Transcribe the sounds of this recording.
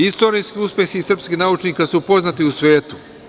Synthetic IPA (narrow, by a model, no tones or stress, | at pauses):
ist̪o̞ːɾijskiuspʲjexiːsr̩pskihnaut͡ʃniːkasupo̞znat̪iusʋeːt̪u